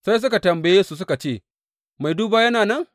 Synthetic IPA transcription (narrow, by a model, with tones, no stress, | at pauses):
sa˦js̬ʊ˦ka˨tɐ˨mbɐ˨jeː˦su˦˨s̬ʊ˦ka˨t͡ʃeː˦˨ | ma˨jduː˦baː˦jɐ˦naː˨nɐ˦˨ŋ